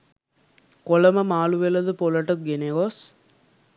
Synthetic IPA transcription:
kolɐmɐmaːluʋelɐd̪ɯpolɐʈɐk̚ɡeneɡos

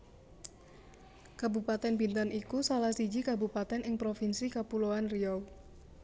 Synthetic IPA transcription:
kabupat̪ɛnbint̪anikusalahsid͡ʒikabupat̪ɛnʔɪŋpɾofinsikapuloanriɔw

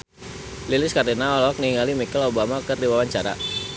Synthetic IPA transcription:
lilɪskardinaɔlɔk̚niŋalimikɛlobamakɨrdiwawaɲt͡ʃaɾa̰

